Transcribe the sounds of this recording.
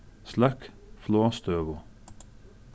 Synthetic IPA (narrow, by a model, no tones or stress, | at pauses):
slæk | floːst̪øːʋʊ